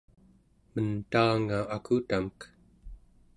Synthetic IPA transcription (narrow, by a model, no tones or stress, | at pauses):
mənt̪aːŋaːkʰut̪amək